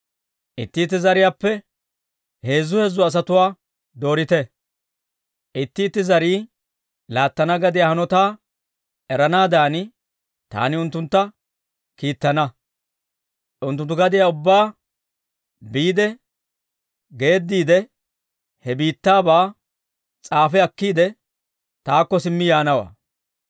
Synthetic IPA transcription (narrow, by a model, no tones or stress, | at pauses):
ʔɪt̪ːɪːt̪ːɪzɐɾɪjaːpːɛ | he̞ːzːʊhɛzːʊɐs̬ɐt̪ʊwaː | d̪o̞ːɾɪt̪ɛ | ʔɪt̪ːɪːt̪ːɪzɐɾiː | laːt̪ːɐnɐɡɐd̪ɪjaːhɐnɔt̪aː | ʔɛɾɐnaːd̪aːn | t̪a̰ːnɪʊnt̪ːʊnt̪ːɐ | kiːt̪ːɐnɐ | ʊnt̪̬ːʊnt̪ːʊɡɐd̪ɪjaʊbːaː | biːd̪ɛ | ɡe̞ːd̪ːiːd̪ɛ | hɛbiːt̪ːaːbaː | t͡sʼaːfɛɐkːiːd̪ɛ | t̪aːkːɔsɪmːɪjaːnɐwa̰ː